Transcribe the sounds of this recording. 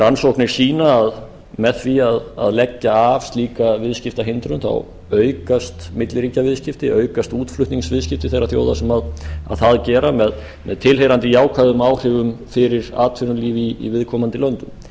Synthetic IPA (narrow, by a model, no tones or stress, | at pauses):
ɾansowknɪɾ̥siːnaːð | mɛðθviaða̰ðlɛcːaːv̥st̪liːkavɪðscɪft̪aɦɪnt̪ɾʏnθa̰w | œːɥkast̪mɪt̪lɪɾiːcavɪðscɪft̪ɪʔœːɥkast̪uːt̪flʏht̪niŋsvɪðscɪft̪ɪ̥θejɾaðθjo̰ːwðasɛmaða̰ðθaðcɛːɾamɛð | mɛðt̪ʰɪlɦejɾant̪ɪjaːwkʰvaðʏmaːwr̥ɪvʏmfɪɾɪɾa̰ːt̪ʰvɪnʏliːvḭːvɪðkʰɔːmant̪ɪlœnt̪ʏm